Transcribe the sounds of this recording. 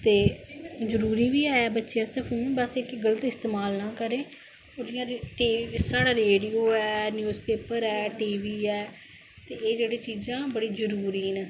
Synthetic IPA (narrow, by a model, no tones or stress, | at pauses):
t̪eːzəɾuːɾiːʋiːaːɛːbətːʃeːəst̪ẽːpʰũːbəsekeɡələt̪ɪst̪eːmaːlnaːkəɾẽː | oːɾɪjãːd̪iʈiːsaːɽaːɾeːɖiːoːɛːnjuːzpeːpəɾɛːʈiːʋiːɛː | t̪eːeːd͡ʒeːɽeːt͡ʃiːzãːbəɽiːzəɾuːɾiːneː